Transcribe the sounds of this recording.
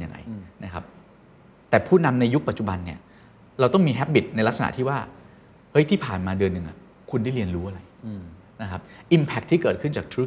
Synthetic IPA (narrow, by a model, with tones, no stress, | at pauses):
nja̰˧ŋːa̰˧jna˦˥kʰa˦˥p̚ | t̪ɛː˨˩pʰuː˥˩na˧mna˧ju˦˥k̚pa˨˩t̪̚t͡ɕu˨˩ba˧nːi˥˩ɐ | ɾa˧wt̪ɔ˥˩ŋmiː˧ɦɛ˦˥p̚bi˨˩t̪̚na˧jla˦˥k̚sa˧na̰˨˩t̪ʰiː˥˩waː˥˩ | hɤ˦˥jt̪ʰiː˥˩pʰaː˨˩nmaː˧dɯ˧ənːɯ˧˩ŋʔa˨˩ | kʰu˧ndaː˥˩jɾi˧ənɾuː˦˥ʔa˨˧ɾa˧j | na˦˥kʰa˦˥p̚ʔi˧mpʰɛ˦˥kt̪ʰːiː˥˩kɤː˨˩t̪̚ʰɯ˥˩nt͡ɕaː˨˩k̚t̪ʰɾuː˦˥k